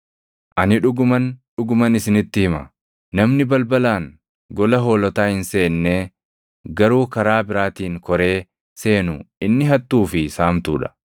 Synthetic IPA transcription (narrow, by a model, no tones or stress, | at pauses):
ʔɐnɪᶑʊɡʊmɐnᶑʊɡʊmɐnɪsɪnɪt̪ːɪhɪmɐ̰ | nɐmnɪbɐlbɐlaːŋ | ɡɔlɐɦo̞ːlɔt̪aːhɪnse̞ːnːeː | ɡɐɾuːkɐɾaːbɪɾaːt̪iːŋkɔɾe̞ː | se̞ːnʊɪnːɪɦɐt̪ːuːfɪsaːmt̪uːᶑɐ̥